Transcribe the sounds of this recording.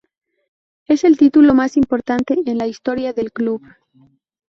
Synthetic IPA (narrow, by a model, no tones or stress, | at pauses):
e̞se̞lt̪it̪ulo̞masimpo̞ɾt̪ant̪e̞enlaist̪o̞ɾjaðe̞lkluβ